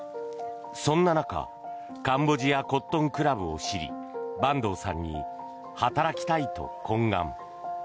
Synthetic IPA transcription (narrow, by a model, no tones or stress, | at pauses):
sõ̞nːanaka̰ | kãmbo̞ʑijako̞t̪ːõ̞ŋkɯ̟ɾabɯ̟o̰ɕiɾʲḭ | bãnd̪o̞ːsã̰ɲ̟ːḭ | hat̪aɾakʲi̥t̪ait̪o̞̰kʰõ̞ŋɡã̰m